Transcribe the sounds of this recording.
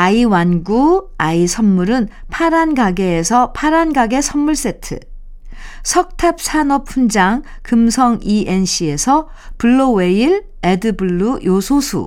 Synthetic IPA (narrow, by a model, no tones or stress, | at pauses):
aiwanɡuaisʰʌnmuɾɯnpʰaɾanɡaɡe̞ːsʰʌpʰaɾanɡaɡe̞sʰʌmmuɭs͈e̞tʰɯ̰ | sʰʌk̚tʰap̚sʰanʌpʰund͡ʑaŋ | kɯmsʰʌŋiʔe̞nɕʰie̞sʰʌ | puɭːowe̞iɾ | e̞dɯbuɭːujosʰosʰṵ